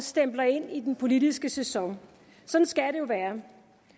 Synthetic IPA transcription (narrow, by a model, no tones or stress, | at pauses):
sd̥emb̥lɐe̝n̰id̥enpʰo̝lid̥isɡ̥əsesɒ̽ŋ | sɒ̽d̥n̩sɡ̥æɾ̥e̝jo̝ʋæːɐ